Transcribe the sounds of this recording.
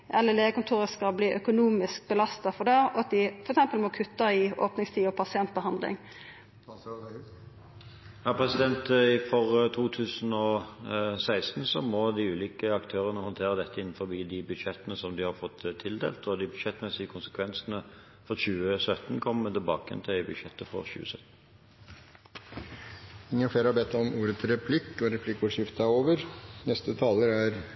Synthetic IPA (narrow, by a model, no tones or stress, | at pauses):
ʔɛlːəleːʋəkʊnt̪ʰuːɾəskɑlbliːʔœkʊnuːmɪsk̚bəlɑst̪ɑfɔɖɛːɔɑt̪̚d̪ɪfɔɾɛksɛmpəlmɔkʰʉt̪ːɑɪʔoːpnɪŋst̪ʰiːɔpʰɑsɪɛnt̪̚bəhɑnd̪lɪ̰ŋ | jɑːpʰɾɛsɪd̪ɛnt̪ɪfɔʁt̪ʰuːt̪ʰʉːsn̩ɔ | sæɪst̪n̩sɔmɔd̪ɪʉːliːkəɑkt̪ʰøːʁənəhɔnt̪ʰeːʁəd̪ɛt̪ːəɪnːn̩fɔbiːd̪ɪbʉd̪ɕɛt̪ːənəsɔmd̪ɪhɑɾfɔt̪ːt̪ʰːɪld̪ḛːlt̪ɔd̪ɪbʉd̪ʃɛt̪ːmɛsɪəkʰʊnsə̥kʰʋɛnsənə | fɔɾɕʉːəsœt̪n̩kʰɔmmɛt̪ɪlbɑ̰ːkəjɛ̰nt̪ʰbʉd̪ʃɛt̪ːəfɔ̰ʁɕʉ̰ːə̰sœt̪n̩ | ɪŋːənfleːɾhɑɾbɛt̪ːɔmuːɾət̪ɾɛpʰlɪkːɔɾɛpʰlɪkːuːʂɪft̪ɑoːʋəɾnɛst̪ət̪ʰɑːləɾæɾ